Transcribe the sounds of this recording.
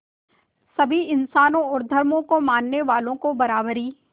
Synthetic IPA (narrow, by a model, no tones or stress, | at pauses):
sɐbʱiɪnsaːnõɔːɾd̪ʱɐɾmõkomaːnːeʋaːlõkobɐɾaːbɾiː